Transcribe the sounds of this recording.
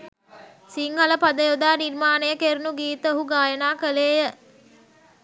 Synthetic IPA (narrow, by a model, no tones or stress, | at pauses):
siŋhɐləpad̪əjod̪aːnirmaːnəjəkeɾunuɡiːt̪əoɦuɡaːjənaːkəleːjə